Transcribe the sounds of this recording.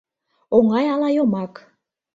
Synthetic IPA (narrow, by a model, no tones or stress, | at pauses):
oŋɑjɑlɑjomɑk